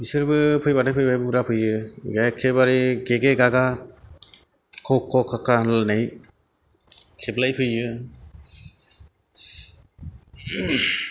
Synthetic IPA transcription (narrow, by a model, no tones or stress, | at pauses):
isɯɾbɯpʰɯjbaɾajpʰɯjbajbuɾapʰɯjɯɡakʰːebaɾiɡeɡeɡaɡa | kʰɔkʰːɔkʰakanlnaj | kʰeblajpʰɯjɯ